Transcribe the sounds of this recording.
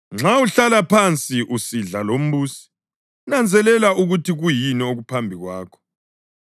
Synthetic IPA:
ŋ͡ǁauɬalapʰant͡sʼiʔusiɮalom̩βuːsi̥ | unand͡zʱɛlɛlauɣutiɣujinioɣupʰambʱiɣwaːkʰɔ̥

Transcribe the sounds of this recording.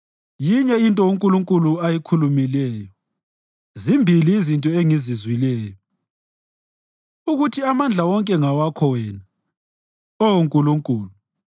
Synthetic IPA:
jiɲɛintʼɔuŋkʼuluŋkʼuluajikʰulumilɛːjɔ | zimbʱiliːzintʼɔeŋizizwilɛːjɔ | uɣutʰiamand͡ɮʱawɔŋkʼɛŋawakʰɔwɛːna | ɔwoŋkʼuluŋkʼuːlu

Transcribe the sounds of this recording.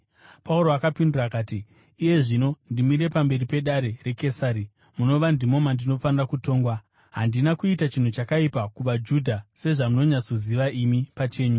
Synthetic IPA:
pʰauɾo̞akapindirakaːtiː | je̞ʐino̞ndimiɾe̞pambe̞ɾipe̞ɗaɾe̞re̞ke̞saɾi | muno̞ʋandimo̞mandino̞fanirakuto̞ːŋɡwa | ɦandinakuitat͡ʃin̤ut͡ʃakaipakuʋad͡ʒudʱase̞ʐamuno̞ɲat͡soziʋaʔimipat͡ʃe̞ːɲu

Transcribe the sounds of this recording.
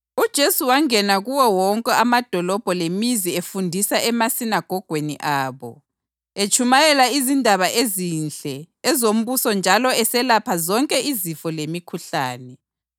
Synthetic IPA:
ud̥ʒ̥ʱesuwaŋɛnaɣuwɔwɔŋkʼɛamad̥ʱɔlɔb̥ʱɔlemiziefundʱisaɛmasinaɡ̥ʱɔɡ̥ʱwenḭʔaːβɔ̰ | et͡ʃʰʼumajɛlaizindʱaβaʔezinɬɛ | ɛzom̩βusɔnd͡ʒʱalɔɛsɛlapʰazɔŋkʼɛizifɔlemikʰuɬaːnɛ

